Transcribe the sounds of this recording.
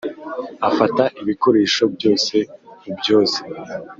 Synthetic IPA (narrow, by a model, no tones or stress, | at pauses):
afataʔiβiko̞ɾe̞ːʃo̞bjo̞ːse̞mubjo̞ːse̥